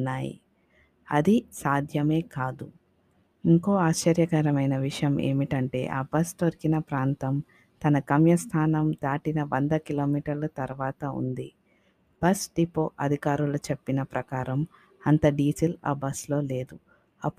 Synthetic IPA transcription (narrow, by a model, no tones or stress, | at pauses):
nːaːjḭ | ɐ̰d̪isaːd̪ʱjɐme̞ːkaːd̪u | iŋko̞ːaːʃt͡ʃɐɾjɐkɐɾɐmɐjnɐʋiʂɐjɐmʔe̞̰ːmiʈɐɳʈe̞̰ːʔa̰ːbɐst̪oɾikinɐpɾaːnt̪ɐm | t̪ɐnɐkɐmjɐst̪ʰaːnɐmd̪aːʈinɐʋɐnd̪ɐkilo̞ːmiːʈɐɾlɐt̪ɐɾʋaːt̪ɐṵnd̪i | b̥ɐsɖipːoːʔɐd̪ʱikaːɾulɐt͡ʃepːinɐpɾʔɐkaːɾɐm | ɐnt̪ɐɖiːd͡ʒila̰ːbɐslo̞ːle̞ːd̪u | ɐpː